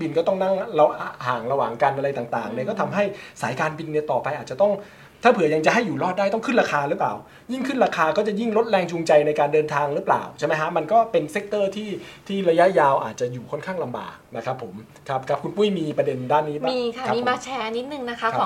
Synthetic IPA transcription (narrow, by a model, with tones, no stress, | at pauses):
bi˧nkɔː˥˩t̪ɔ˥˩ŋna˥˩ŋɾa˧a˧haː˨˩ŋɾa˧waː˨˩ŋka˧nʔa˧ɾa˧jt̪aː˨˩t̪a̰ː˨˩ŋnɛ˧˩kɔː˥˩t̪ʰa˧mɦa˥˩jsa̰ː˩˦jkaː˧nbi˧nːi˥˩t̪ɔː˨˩pa˧jʔaː˨t̪̚t͡ɕa˨˩t̪ɔ˥˩ŋ | t̪ʰaː˥˩pʰɯ˩˦ja˧ŋt͡ɕa˨˩ɦa˥˩juː˨˩lɔː˥˩t̪̚daː˥˩jt̪ɔ˥˩ŋkʰɯ˥nɾaː˧kʰaː˧ɾɯ˦˥pla̰ː˨˩w | ji˥˩ŋkʰɯ˥˩nɾaː˧kʰaː˧kɔː˥˩t͡ɕa˨˩ji˥˩ŋlo˦˥t̪̚lɛː˧ŋt͡ɕu˧ŋt͡ɕa˧jna˧jkaː˧ndɤː˧nt̪ʰaː˧ŋɾɯ˦˥pla̰ː˨˩wt͡ɕʰa˥˩ma˦˥jkʰa˦˥ma˧nkɔː˥˩pe˧nse˦˥k̚t̪ɤː˥˩t̪ʰiː˥˩t̪ʰiː˥˩ɾa˧ja˦˥ʔjaː˧wʔa̰ː˨˩t̪̚t͡ɕa˨˩juː˨˩kʰɔ˥˩nkʰaː˥˩ŋla˧mba̰ː˨˩k̚na˦˥kʰa˦˥pʰːo˩˦m | kʰa˦˥p̚kʰa˦˥p̚kʰu˧npu˥˩jmiː˧pɾa˧de˧ndaː˥˩nːiː˦˥baː˨miː˧aa˦˥iː˧˦maː˧t͡ɕʰɛː˧n˦˥t̪̚nɯ˨˩ŋna˦˥kʰa˦˥˦